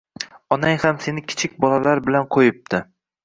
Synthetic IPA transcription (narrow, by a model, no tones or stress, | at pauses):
ɒnaŋhamse̞nɪkʲʰɪ̥t͡ʃʰɪkʲbɒlalaɾbɪlanqʰojɪp̚t̪ʰɪ